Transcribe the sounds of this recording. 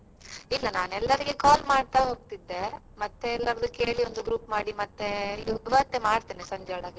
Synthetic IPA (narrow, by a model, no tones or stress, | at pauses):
ilːɐnaːnɛlːɐɾiɡekaːlmaːɖt̪aɦo̞ːɡ̚t̪id̪ːe | mɐt̪ːeɛlːɐɾɐd̪ukeːɭiond̪uɡɾuːpmaːɽimɐt̪ːeid̪ʋɐt̪ːemaːɽt̪eːnesɐɲd͡ʒɐɽaːɡi